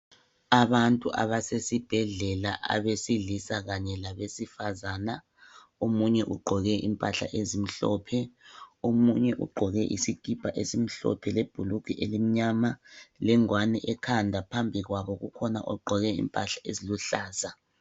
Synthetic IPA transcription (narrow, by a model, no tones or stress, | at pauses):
aβantʼuʔa̰βasesib̥ʱɛɮɛla̰ʔa̰βesiɮisaɣaɲɛlaβesifazaːna | omuɲɛʔuɡ͡ǃʱɔɣɛʔimpʼaɬa̰ʔezim̩ɬɔ̰ːpʰɛomuɲɛʔṵɡ͡ǃʱɔɣɛʔḭsiɡ̥ʱib̥ʱaʔesim̩ɬɔ̰pʰɛleb̥ʱulukʰiʔelim̩ɲamalɛŋwanɛʔɛkʰandʱapʰambʱiɣwaβɔɣukʰɔna̰ʔɔɡ͡ǃʱɔɣɛḭmpʼaɬaeziluɬaːsa